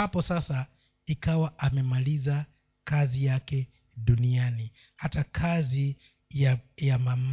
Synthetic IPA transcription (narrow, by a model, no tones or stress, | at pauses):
apɔsasa | ikawaʔamɛmaliza | kazijakɛ | ɗuniani | hatakʰazi | jajamam